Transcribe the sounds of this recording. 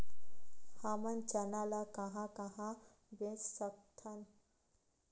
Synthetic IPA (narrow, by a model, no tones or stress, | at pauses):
hamɐnt͡ʃɐnalakɐɦãkaɦã | bẽssək̚t̪ʰan